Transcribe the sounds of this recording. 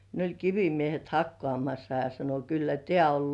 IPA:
ne olʲ kiʋimiehet hɑkːŏɑˑmɑsːɑ jɑ sɑno kylːæ tĕæˑ ol

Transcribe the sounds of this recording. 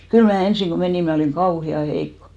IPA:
kyl mæː ensiŋ ko meniˑm mæ oliŋ kɑuhiɑ heikːo̥

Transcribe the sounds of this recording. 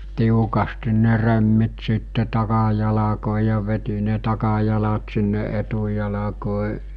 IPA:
tiukɑstin ne remːit siˑtːe tɑkɑjɑlɑkoˑi jɑ ʋeti ne tɑkɑjɑlɑt sinːe ʔetujɑlɑkoˑi

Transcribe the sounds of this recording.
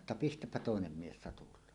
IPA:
tːɑ pistæpːæ toˑenem mies sɑtulˑɑːn

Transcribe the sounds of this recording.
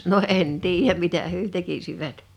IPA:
no ʔen tiːjæm mitæ hyø tekisiʋæt

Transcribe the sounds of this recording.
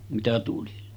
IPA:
mitæ tuli

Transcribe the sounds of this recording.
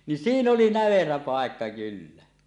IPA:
nin siːn oli næʋeræ pɑˑekːɑ kylːæ

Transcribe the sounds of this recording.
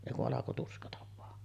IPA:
eˑi kuʔ ʔɑlɑko tuskɑtɑ ʋɑː

